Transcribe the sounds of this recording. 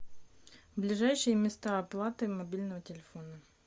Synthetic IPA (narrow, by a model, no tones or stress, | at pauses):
vblʲɪʐajɕɪjəmʲɪst̪aɐplˠat̪ɨmɐbʲilʲnəvətʲɪlʲɪfo̞nə